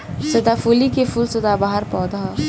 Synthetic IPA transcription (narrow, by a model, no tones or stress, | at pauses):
sɐd̪afuːlikefulsɐd̪abaɦəɾpɔːd̪ɦ